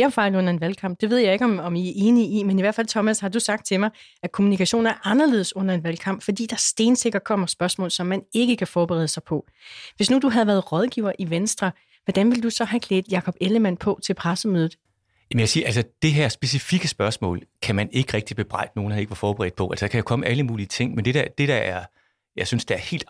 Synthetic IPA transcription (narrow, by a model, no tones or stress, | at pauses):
ɐfɑ̈ɪlɔ̽n̰ɐe̝nʋælkʰɑ̈m̰b̥̚d̥e̝ʋe̝ð̞̰ˠjɑ̈ɪe̝ɡ̥ɒ̽mɒ̽miæe̝ːniimeniʋæɐ̥fælt͡sʰɒ̽mæshɑ̈dusɑ̈ɡ̥̚d̥̚t͡sʰe̝mɑ̈ɪ | ʔækʰo̝munikʰæɕo̝̰ːnɐæɐʔɑ̈nɐle̝ð̞ˠəsɔ̽n̰ɐe̝nʋælkʰɑ̈m̰b̥fɒ̽d̥ḭːd̥ɑ̈æɐsd̥e̝ːnse̝ɡ̥ɐkʰɒ̽m̰ɐsb̥ɶɐsmɔ̰̽ːlsɒ̽mːæne̝ɡ̥əkʰæfɒːb̥eʁɛ̰ðˠsɑ̈ɪpʰɒ̽ | ʋe̝snud̥uɦæð̞̩ˠʋæɐðˠʁɒ̽ð̞ˠɡ̥ḭːʊ̰ɐʔiʋensd̥ʁɐ | ʋɒd̥ænʋe̝ld̥usɒ̽ɦækʰleːd̥jɑ̈kʰɒ̽b̥eləmæn̰pʰɒ̽t͡sʰe̝lpʰʁasəmøːðˠð̩ˠ | jæmnjaksiːɐʔælsəd̥e̝ɦeɐ̰sb̥e̝sifiɡ̥əsb̥ɶɐsmɔ̰̽ːlkʰæmæne̝ɡ̥əʁɛɡ̥̚d̥ib̥e̝b̥ʁɑ̈ɪ̰d̥əno̝ːn̩æeɡ̥əʋɑ̈fɒːb̥eʁɛ̰ːd̥pʰɒ̽ælsəd̥ɑ̈kʰæjakʰɒ̽məʔæləmuːliət͡sʰe̝ŋ̰mend̥eɾæd̥e̝ɾ̥ææɐ | jɑsynsd̥eæɐhe̝̰ːld̥